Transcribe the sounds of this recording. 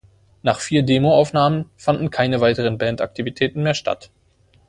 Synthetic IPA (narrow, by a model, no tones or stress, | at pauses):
naːχfiːɐdeːmoaʊfnaːmənfandn̩kʰaɪnəvaɪtəʁənbɛːnta̰k̚tʰivitʰɛːtn̩meːɐʃtʰa̰t